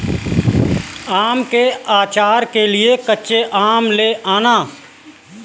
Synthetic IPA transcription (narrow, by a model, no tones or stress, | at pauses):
aːmkeaːt͡ʃaːɾkelɪekəːʃeʔaːmleʔaːnaː